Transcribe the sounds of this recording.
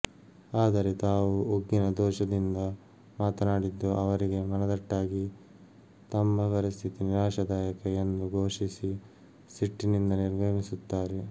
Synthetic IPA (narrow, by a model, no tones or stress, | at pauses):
aːd̪ɐɾet̪aːwuuɡːinɐd̪ɔːʃɐd̪ind̪ɐ | maːt̪ɐnaːɽid̪ːuɐʋɐɾiɡe̞mɐnɐd̪ɐʈːaːɡi | t̪ɐmːɐpɐɾist̪ʰit̪iniɾaːʃɐd̪aːjɐkɐend̪uɡoːʂisi | siʈːinind̪ɐniɾbʱɐɦisut̪ːaːɾe